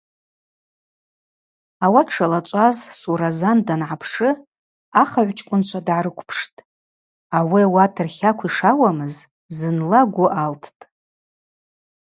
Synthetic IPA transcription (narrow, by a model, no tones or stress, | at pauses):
awaʈ͡ʂʰalat͡ʃʷʼazsuɾazandanʕapʰʂɨ | aχaʕʷt͡ʃʼkʷʼʊnt͡ʃʷʰadʕaɾɨkʷʰʼpʰʂtʼ | awiawatʰɨrχʲakʷʰiʂawamɨz | zɨnlaɡʷʊʔaltʰtʼ